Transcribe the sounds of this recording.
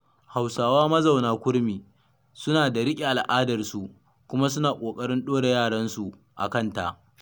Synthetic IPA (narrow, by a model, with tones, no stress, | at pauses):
ha˨wsaː˨waː˦mɐ˦za˨wnaː˦kʷʊ˦ɽmiː˨ | sʊ˦naː˨da˨ɽɪ˦kʲʼi˨ʔa˨lʔaː˦dɐ˨rsu˨ | kʷʊ˦ma˦s̬ʊ˦naː˨kʷʼoː˨kʼɐ˦ɽɪ˦nɗoː˦ɽe˨jaː˦˨ɽɐ˦nsu˨ | ʔa̰˨kɐ˦˨nta˨ʔ